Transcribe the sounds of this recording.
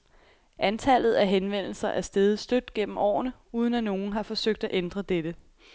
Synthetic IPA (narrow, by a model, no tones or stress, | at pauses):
ʔænt͡sʰæl̰ð̞̩ˠæɦenʋen̰l̩sɐʔæɐsd̥eðˠsd̥ød̥ɡ̥en̰m̩ɒ̰ːnəuːð̞ˠnæno̝ːn̩ɦɑ̈fɒ̽søɡ̥̚d̥æʔend̥ʁɐd̥ed̥ə